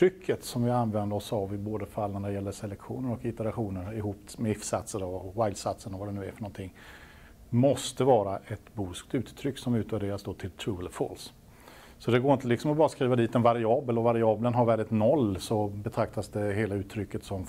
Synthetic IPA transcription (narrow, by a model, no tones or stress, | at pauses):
ɾʏkʰːət̪sɔmvɪanvɛnd̪əɾɔsavɪboːd̪əfalːnænæɖ̪ɛjɛlːəsɛlɛkɧuːnəɾɔkɪt̪əɾaɧuːnəɾɪɦuːpmɛɪfsat̪səɾɔwaɪlsat̪sənɔvad̪ɛnʉ̟ːæfœɳɔnt̪ʰɪŋː | mɔst̪əvɑːɾaʔɛt̪buːskt̪ʉ̟ːt̪t̪ʰɾʏkːsɔmʉ̟ːt̪væɖeːɾasd̪oːt̪ʰɪlt̪ʰɾuəlfo̰ːls | sɔd̪ɛɡoːɾɪnt̪əlɪksɔmɔbɑːɾaskɾiːvad̪iːt̪ɛnvaɾɪɑːbəlɔvaɾɪɑːblənɦaɾvæːɖ̪ɪt̪nɔlːsɔbɛt̪ʰɾak̚t̪asd̪ɛɦeːlaʉ̟ːt̪ʰːɾʏkːət̪sɔm